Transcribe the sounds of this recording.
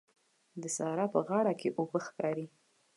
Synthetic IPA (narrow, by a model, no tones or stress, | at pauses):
d̪əsɑɾɑpəɣɑɽakʰeʔobəxkɑɾi